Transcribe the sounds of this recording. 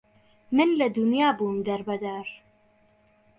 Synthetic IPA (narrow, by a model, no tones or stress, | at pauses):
mɪnlad̪ʊnjaːbumd̪aɾˤbad̪aːɾˤ